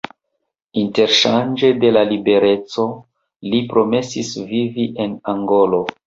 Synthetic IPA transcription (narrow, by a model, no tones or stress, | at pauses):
inte̞ɾʃand͡ʒe̞de̞lalibe̞ɾe̞t͡so̞ | lipɾo̞me̞sisviviʔe̞naŋɡo̞lo̞